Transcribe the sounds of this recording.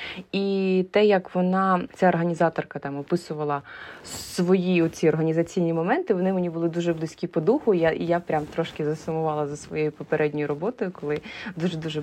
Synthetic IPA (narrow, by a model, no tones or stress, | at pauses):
it̪ɛjɐkʋɔnɑt͡sʲaɔrɦɐnʲizɑt̪ɔrkɐt̪ɑmɔpɪsʊʋɐlˠɐsʋɔjiɔt̪ʲt͡sʲiɔrɦɐnʲizɐt͡sʲijnʲimɔmɛnt̪ɪʋɔnɪmenʲibʊlˠɪd̪uʒɛblˠɪsʲkʲipɔd̪uxʊjajapɾʲamt̪ɾɔʃkɪzɐsʊmʊʋɑlˠɐzɐsʋɔ̰jejʊpɔpeɾʔɛdʲnʲɔjʊɾɔbɔt̪ɔjʊkɔlˠɪd̪uʒɛd̪uʒɛ